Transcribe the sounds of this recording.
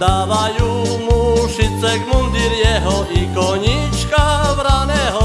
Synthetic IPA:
d̪aːʋajuːmuʃit͡sɛɡmund̪iɾɪjɛɦɔʔikɔɲit͡ʃkaʋɾanɛːɦɔ

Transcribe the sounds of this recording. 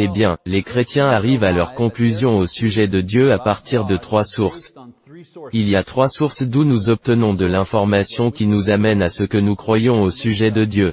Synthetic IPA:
ebjɛ̃lekχet̪jɛ̃aʁivalœʁkɔ̃klyzjɔ̃osyʒɛd̪əd̪jøapaʁt̪iʁd̪ət̪χwasuʁs | iljat̪χwasuʁsd̪unuzɔp̚t̪ənɔ̃d̪əlɛ̃fɔʁmasjɔ̃kʲinuzamɛnasəkənukχwajɔ̃osyʒɛd̪əd̪jø

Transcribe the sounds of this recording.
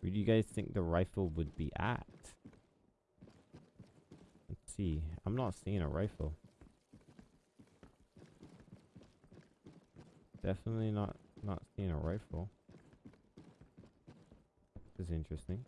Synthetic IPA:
wɨdɨjɨɡaɪz̥θɪ̃ŋk̚ðəɹaɪfl̩ˠwəd̚bḭʔæ̰t̚ | siã̰ɪ̃mnətsiɪ̃ŋə̰ɹʔa̰ɪfl̩ˠ | d̥ɛfənətˡlinə̰t̚nə̰tsiɪ̃ŋə̰ɹaɪfl̩ˠ | kʰʌzɪ̃nt͡ʃɹ̥ɨstɪ̃ŋ

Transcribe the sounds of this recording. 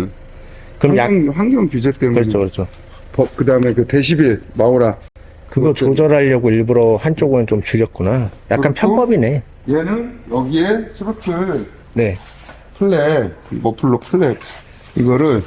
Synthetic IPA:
kɯɾʌmjaŋɸwaŋɡjʌŋkud͡ʑet͈emkɯɾʌt͡ɕ͈ʰokɯɾʌt͡ɕ͈ʰo | pʌp̚kɯdaɯmekɯte̞ɕ̬ʰibiɭmaoɾa | kɯɡʌt͡ɕod͡ʑʌɾɦaʎːʌɡoiɭbuɾʌhant͡ɕ͈oɡɯnɯnt͡ɕomt͡ɕuɾjʌt̚k͈unaja̰kk͈anpʰjʌnpʌbine̞ | jenɯnjʌɡiesʰɯɾot͡ɕ͈ɯ | ne̞ | pʰɯɭːemʌpʰuɭːopʰɯɭːe | iɡʌɾɯɭ

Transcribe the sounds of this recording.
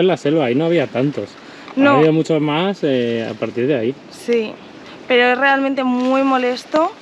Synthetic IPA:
elaselwaːinoaβ̞iat̪ant̪os | noβiamut͡ʃozmasea̰paɾt̪iɾðeai | si | pe̞ɾoe̞sre̞alment̪e̞mwimo̞le̞st̪o

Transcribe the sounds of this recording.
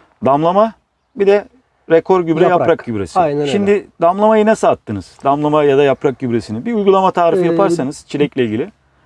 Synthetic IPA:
d̪amlˠama | bid̪ɛ | ɾekʰo̞ɾɟybɾɛjapɾakɟybɾesiʃimd̪ɪd̪amlˠamajɯnasaːt̪ʰːɯnɯz̥d̪amlˠamajad̪ajapɾak̚ɟybɾesinibiujɡulˠamat̪ʰaːɾifɯjapʰaɾsanɯz̥t͡ʃʰilʲɛclʲɛilʲɟilʲɪ

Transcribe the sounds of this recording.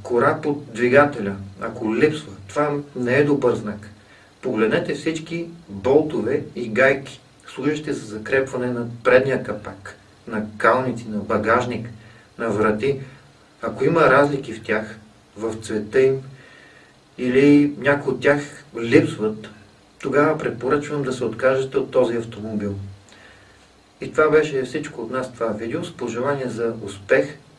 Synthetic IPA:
koɾapot̪̚d̪viɡat̪ɛlʲɐɐkolipsvət̪ːovanɛɛd̪obəɾznak | poɡlɛd̪nɛt̪ɛfsit͡ʃkibɔlˠt̪ovɛiɡajkʲi̥ | slˠuʒɐʃt̪ɛzɐzɐkɾɛpvɐnɛnɐpɾɛd̪nijəkɐpak | nɐkalˠnit̪sinɐbɐɡaʒnik | nɐvɾɐt̪i | ɐkoimɐɾazlik̟ift̪ʲax | vɐft̪svɛt̪əim | ilinʲakojot̪ːʲjaxlipsvət̪ː | oɡavɐpɾɛt̪̚poɾɤt͡ʃvəmd̪ɐsɛot̪kaʒɛt̪ɛot̪ːɔziɐft̪omobilˠ | it̪ovabɛʃɛfsit͡ʃkoːt̪nast̪ovavid̪ɛospoʒɛlˠaniɛzɐʊspɛx

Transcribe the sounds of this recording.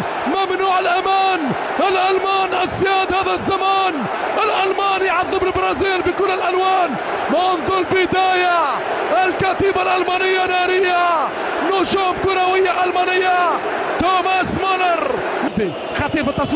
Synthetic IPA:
mamnuːʕɪlʔamaːn | ʔɪlʔalmaːnʔasːjaːd̪haːðazːamaːn | ʔɪlʔalmaːnjʕɑðˤːɨmɪlbɾˤɑːziːlbɪkʊːlːɪlʔalwaːn | manðˤʊɾbɪd̪aːja | ʔɪlkaːt̪iːbalʔalmaːnɪjːanaːɾɪjːa | nuːʃuːmkʊɾawɪjːaʔalmaːnɪjːa | t̪oːmasmanɑɾˤ | mad̪ːi | xat̪ˤiːɾbit̪ːɑsˤ

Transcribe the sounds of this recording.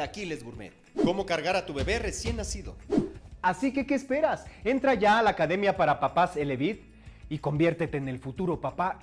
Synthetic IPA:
akile̞zɣuɾmḛt̪̚ | ko̞mo̞kaɾɣaɾat̪uβe̞βe̞re̞sje̞nːasiðo̞̰asike̞ke̞ːspe̞ɾase̞nt̪ɾaʝaːlaːkaðe̞mjapaɾapapase̞le̞βit̪ | iko̞mbje̞ɾt̪e̞t̪e̞ːne̞lfut̪uɾo̞papa

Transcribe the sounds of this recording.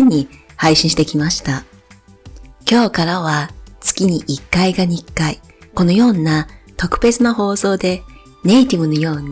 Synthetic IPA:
ɲ̟ːihaiɕĩɕi̥t̪e̞kʲimaɕi̥t̪a | kʲo̞ːkaɾaβat͡sɨ̥kʲiɲ̟iʔikːaiɡaɲ̟ikːai | ko̞no̞jo̞ːnat̪o̞kɯ̟̥be̞t͡sɨnoɦo̞ːso̞ːd̪e̞ | ne̞it̪ʲibɯ̟no̞jo̞ːɲ

